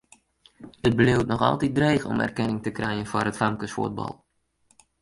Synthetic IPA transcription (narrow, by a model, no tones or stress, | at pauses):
əd̚bəlewtnɔχɑ̰lˠtid̚drɛjχəɔ̰mɛ̰rkɛnɪŋtəkrɛjənvoːrɦətfɑŋkəsfṵd̚bɑ̰lˠ